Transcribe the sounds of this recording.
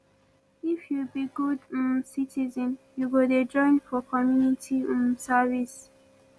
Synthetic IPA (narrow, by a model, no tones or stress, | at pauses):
ifjubiɡud̩sitʰizɔ̃njuɡoded͡ʒɔ̃ɪ̃nfɔkʰɔmjunitʰimsavis